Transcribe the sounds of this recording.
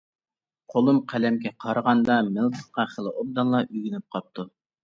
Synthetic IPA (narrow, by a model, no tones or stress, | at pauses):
qʰolˠumqʰælɛmkʲɛqʰɑɾʁɑnd̪ɑmɪlˠt̪ʰə̥χqɑχəlˠɨʔob̚d̪ɑnlˠɑʔyɡʲinyp̚qʰɑp̚t̪ʰu